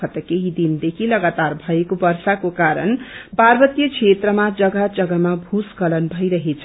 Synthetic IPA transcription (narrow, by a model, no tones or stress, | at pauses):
ʌt̪əkeɦid̪ind̪ekʰilʌɡat̪aɾbʱʌekobʌɾsakokaɾʌ̰nparbʌt̪jʌkʰet̪ɾʌmad͡zʌɡad͡zʌɡamabʱuskʌlʌnbʱʌjɾʌɦet͡sʰ